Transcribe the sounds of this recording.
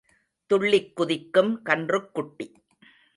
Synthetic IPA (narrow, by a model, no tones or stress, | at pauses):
t̪ʊɭːɪkːʊðɪkːɯmkɐndrɯkːʊʈːi